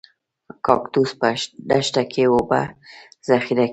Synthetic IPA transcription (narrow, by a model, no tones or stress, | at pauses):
kɑ̰kt̪uspaɖaʃʈ̪akʰewoba̰z̥axiɾa